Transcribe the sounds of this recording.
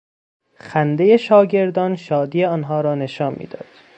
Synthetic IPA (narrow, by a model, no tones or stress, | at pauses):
xænd̪e̞je̞ʃɒːɟe̞ɾd̪ɒːnʃɒːd̪iːjeɒːnɦɒːɾɒːne̞ʃɒːnmḭːd̪ɒ̰ːd̪̥